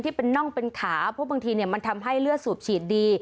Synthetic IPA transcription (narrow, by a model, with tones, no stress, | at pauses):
t̪ʰiː˥˩pe˧nːɔ˥˩ŋpe˧nkʰaː˩˦pʰɔ˦˥baː˧ŋt̪ʰiː˧ni˥˩ɐma˧nt̪ʰa˧mɦa˥˩jlɯ˥˩əsuː˨˩p̚t͡ɕʰiː˨˩t̪̚diː˧